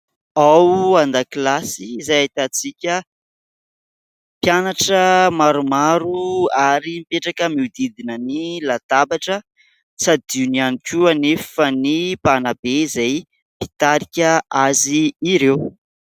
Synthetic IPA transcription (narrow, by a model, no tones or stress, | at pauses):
awand̪akilasizajat̪at͡sikʲə | pjanaʈ͡ʂəmaɾumaɾuaɾimipeʈ͡ʂakəmiud̪id̪inənilat̪abaʈ͡ʂə | t͡sad̪iunianikʲuanefənipanabeizaj | pi̥t̪aɾikʲəaziːɾew